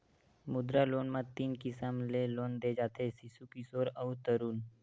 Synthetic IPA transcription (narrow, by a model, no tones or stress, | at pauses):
mʊd̪ɾaloːnmãt̪iːnkɪsəmleloːnd̪eːd͡ʒaːt̪ʰesisukisoːɾəʊt̪əɾuːn